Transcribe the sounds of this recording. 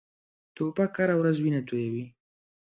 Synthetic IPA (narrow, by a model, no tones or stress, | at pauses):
t̪obakhaɾawɾazwinat̪ojawi